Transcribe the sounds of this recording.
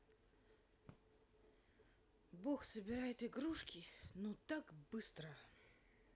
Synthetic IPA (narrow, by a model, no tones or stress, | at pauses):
boxsəbʲɪɾajɪt̪ɪɡɾuʂkʲɪnot̪akbɨst̪ɾə